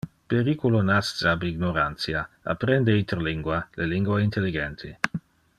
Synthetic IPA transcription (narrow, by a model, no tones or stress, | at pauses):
peɾikulonast̪aabiɡnoɾant̪sjaa̰pɾɛnd̪eint̪eɾoliŋɡwaleliŋɡwaint̪elːiɡɛnt̪ʰi